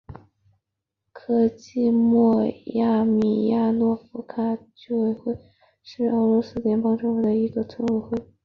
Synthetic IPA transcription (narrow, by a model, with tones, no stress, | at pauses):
kʰɤ˥t͡ɕi˥˧mwɔ˥˩ja˥˩mi˨˩ja˥˧nwɔ˥˩fu˧˥kʰa˥˩t͡ɕo˥˩we˥ɪxwe˥˩ɪ | ʂɻ̩˥˩ɤ˧˥lwɔ˧˥sɹ̩˥ljɛ˧˥npɑ˥ŋʈ͡ʂɤ˥we˧˥d̪ə˧i˧˥ɡə˧t͡sʰʊ˥ŋɻu˥˩xwe˥˩ɪ